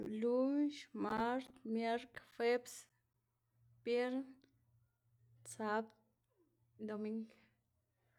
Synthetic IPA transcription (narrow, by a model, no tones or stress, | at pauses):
lunʃmaɾt̪mjaɾkfeps | pjeɾn | t͡sap | d̪omiŋɡ